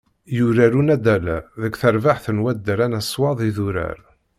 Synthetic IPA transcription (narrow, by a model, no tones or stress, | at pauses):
juɾæɾunæd̪ælæ̰ðəkːθəɾvaħθənwæd̪ːɾænæsːwɑðˤiðuɾæ̰ɾ